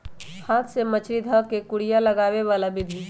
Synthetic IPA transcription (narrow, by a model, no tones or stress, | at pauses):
haːt̪ʰsemət͡ʃʰɾid̪ʱəkekʊɽijaləɡaːʋeʋaːlabɪd̪ʱi